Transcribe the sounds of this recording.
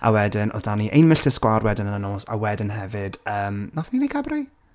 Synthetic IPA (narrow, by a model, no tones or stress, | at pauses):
ʔa̰wɛdɪnʔɔ̰daniʔḛjnmɪɬtɪskwarwɛdɪnənənoːsa̰wɛdɪnɦɛvɨd̥əːmnaθninejkʰabraj